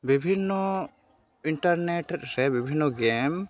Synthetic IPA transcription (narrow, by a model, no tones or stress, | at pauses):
bibʱinːɔ | iɳʈaɾneʈɾɾɛbibʱinːɔɡɛm